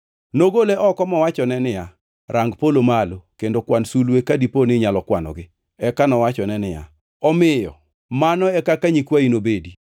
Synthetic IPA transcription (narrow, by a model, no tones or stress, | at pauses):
noɡoleʔɔkɔmɔwat͡ʃɔnɛnɪja | ɾʔaŋɡpolomalokendokwansulwekadiponɪɲalɔkwanɔ̰ɡɪ | ɛkanɔwat͡ʃɔnɛnɪja̰ | ɔmɪjɔ̰ | manɔɛkakaɲikwainobedi